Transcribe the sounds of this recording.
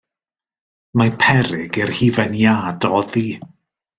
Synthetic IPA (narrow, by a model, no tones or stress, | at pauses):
mapʰɛɾɪɡɪrhivɛnjaːdɔði